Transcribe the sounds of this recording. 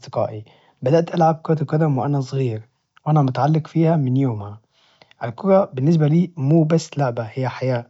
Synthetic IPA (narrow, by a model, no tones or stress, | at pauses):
d̪eqɑ̰ːʔi | bæd̪æʔt̪ʔælʕab̚kæt̪w̚kæd̪æmweʔænæsˤɣiːɾ | wʔænæmʊt̪ʕalːeqfiːhæmɪnjoːmhæ | ʔælkoɾˤɑbɪnːes̬bæliːmuːbæsːlaʔbæhɪjːæħajæː